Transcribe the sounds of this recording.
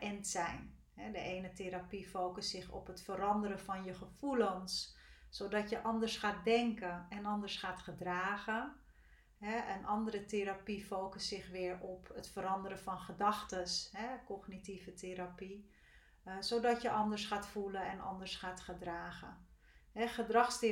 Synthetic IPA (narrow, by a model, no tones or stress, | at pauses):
ʔɛntsɛjn | ɦɛdəʔejnəteɾapifoːkəsːɪxɔ̰pɦətfəɾɑndəɾəvɑnjəχəv̥ulənsːodɑtjəʔɑndəɹsχaːt̚dɛŋkəɛnɑndəɹsxaːtχədraːɣə | ɦɛənʔɑndəɾəteɾapifoːkəsɪxʋɪːɹɔpətfəɾɑndəɾəfɑnχədɑxtəsɦɛkɔχnitivətʰeɾapi | sodɑtjəʔɑndəɹsχaːtfulənɛnɑ̰ndəɹsχaːtχədraːɣə | ɦɛxədrɑxst